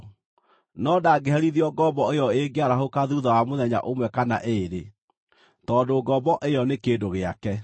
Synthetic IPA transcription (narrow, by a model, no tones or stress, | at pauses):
nɔdaːɡeɦɛɾiðiɔɡɔbɔejɔeɡeaɾaɦokaðuðawamoðɛɲa̰ʔomwɛkana̰ʔeːɾe | tɔndoɡɔbɔʔejɔnekeːdoɣeakɛ